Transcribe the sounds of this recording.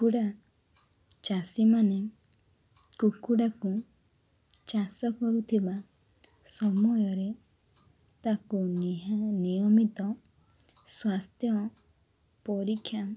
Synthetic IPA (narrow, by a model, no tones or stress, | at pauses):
kuɽa | t͡ʃasimane | kukuɽaku | t͡ʃasɔkɔɾut̪ʰiba | sɔmujɔɾe | t̪aku | nijɔmit̪ɔ | swast̪ʰjɔ | pɔɾikʰːja